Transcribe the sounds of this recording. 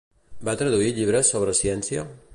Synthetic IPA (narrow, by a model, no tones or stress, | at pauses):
bat̪ɾaðuiɾʎiβ̞ɾesːoβ̞ɾesiensja